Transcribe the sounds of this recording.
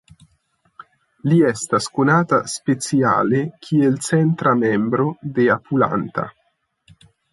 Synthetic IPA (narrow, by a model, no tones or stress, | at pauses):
liɛst̪askonaːt̪aspet̪sja̰ːlekʰielt͡sɛnt̪ɾamɛmbɾod̪eapʰula̰nt̪a̰